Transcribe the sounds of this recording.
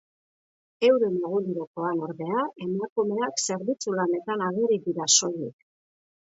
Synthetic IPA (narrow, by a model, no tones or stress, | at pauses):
e̞wɾomoɣuɾuɾoko̞ano̞ɾðe̞aʔe̞makume̞akse̞ɾβit͡sulane̞t̪anaɣ̞iriðiɾaso̞jek